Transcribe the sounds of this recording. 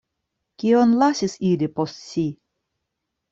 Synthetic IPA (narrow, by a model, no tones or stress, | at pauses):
kionlasisilipo̞stɕi